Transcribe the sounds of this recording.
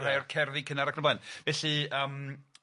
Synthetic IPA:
ɾaɔrkʰɛrðikʰənaɾakʰrəblanvɛɬɨəːm

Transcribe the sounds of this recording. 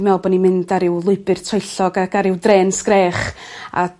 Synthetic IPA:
mɛlˠbɔnimɪndaɾɪwlˠʊɨbɨrtʰɔɨɬɔɡaɡaɾɪwdreːnskrɛːχ | a̰

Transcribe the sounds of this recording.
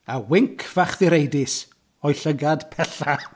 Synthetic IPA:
awɪŋkʰvaχðɪɾejdɪs | ɔjɬəɡad̥pʰɛɬa

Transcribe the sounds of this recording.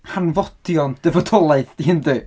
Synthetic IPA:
hanvɔd̥jɔnd̥ɛvɔdʰɔlˠajθd̥iɪndɨː

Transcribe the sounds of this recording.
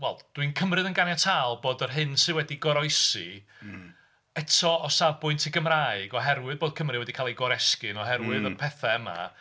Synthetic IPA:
wɛlˠd̥winkʰəmrɨðənɡanjatʰaːlˠboːdərɦɨnsɨwɛdiɡɔɾɔjsi | ɛtʰɔɔsabʊɨntʰiɡəmraːɨɡɔɦɛrwɨðboːd̥̚kʰəmrɨwɛdikʰalˠejɡɔɾɛskɨnɔɦɛrwɨðənpʰɛθaəma̰

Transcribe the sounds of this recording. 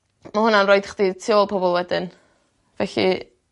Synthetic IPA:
mahʊnanrojdχditʰiolˠpʰɔbɔlˠwɛdɪn | vɛɬḭ

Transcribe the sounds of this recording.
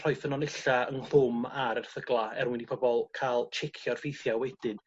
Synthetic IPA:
r̥ɔjfənɔnɪɬaənl̥ʊmaɾərθəɡlˠaɛrwɪnipʰɔbɔlˠkʰalˠt͡ʃʰɪkʰjɔrfejθjawɛd̥ɪn

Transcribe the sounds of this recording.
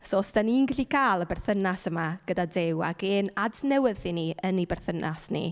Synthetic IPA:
soːsd̥aninɡɛɬikʰaːlˠəbɛrθənasəmaɡ̥ədadɪwa̰ɡeːnadnɛwɪðiniənibɛrθənʔa̰snḭ

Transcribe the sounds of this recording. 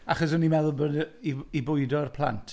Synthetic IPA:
aχɔsənimɛðʊbəniibʊɨdɔərpʰlˠa̰ntʰ

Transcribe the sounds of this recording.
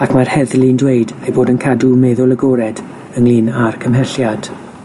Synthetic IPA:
akʰmarhɛðlˠɪndweɨdejboːdənkʰadumɛðʊlˠəɡɔɾɛd | əŋliːnarkʰəmɦɛɬjad̥

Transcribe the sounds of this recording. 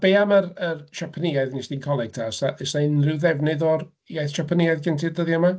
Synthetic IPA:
b̥eːamərərʃɔpʰənɪajðnɪsdinkʰɔlˠɛɡ̥̚tʰasaʔɛsanrɪwðɛvnɨðɔr | jajθʃɔpʰənɪajðɡɪntʰɪdəðjama

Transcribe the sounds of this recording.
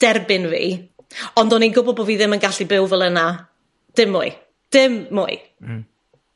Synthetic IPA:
d̥ɛrbɪnvḭː | ɔndɔninɡʊbɔbɔviːðɪmənɡaɬibɪwvɛlˠəna | d̥ɪmːʊɨ | d̥ɪmːʊ̰ɨ

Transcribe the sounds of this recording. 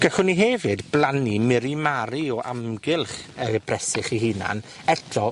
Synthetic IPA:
ɡ̥aɬʊniɦevɨdblˠanimɪɾimaɾiɔʔamɡɪlˠχəb̥rɛsɪχiɦɪna̰n | ɛtʰrɔ

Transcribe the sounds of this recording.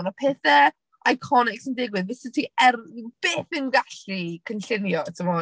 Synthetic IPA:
nəpʰɛːθɛ | ajkʰɔnɪksəndɪɡwɨðvɪsɪtʰiɛrb̥eːθɪnɡaɬikʰənɬɪnjɔtʰəmɔ

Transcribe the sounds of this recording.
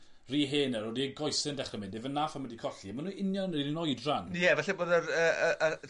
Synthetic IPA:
riːɦeːnəɾoːdiɡɔjsɪndɛχrəmɪndɪvənːaːfamədikʰɔɬiamanuːʔɪnjɔnnriinɔjdranjɛvɛɬɛboːdəɾəəʔə

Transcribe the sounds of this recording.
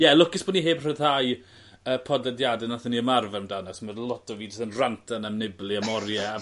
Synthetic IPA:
jɛlˠʊkɪsb̥ɔniɦeːbr̥əðhaj | əpʰɔdɛdjadɛnaθəniəmarvɛmdanɔsmərlˠɔtʰɔviːd͡ʒɪsənrantʰanamnɪblˠiamɔrjɛ

